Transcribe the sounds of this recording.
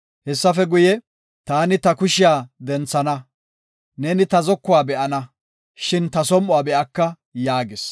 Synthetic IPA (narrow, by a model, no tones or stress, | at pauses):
hɛsːɐfɛɡʊjɛ | t̪aːnɪt̪ɐkʊʃɪjaːd̪ɛnt͡sːɐnɐ | neːnɪt̪ɐzɔkːʊwaːbɛʔɐnɐ | ʃɪnt̪ɐsɔmʔʊwaːbɛʔɐkːɐ | jaːɡɪs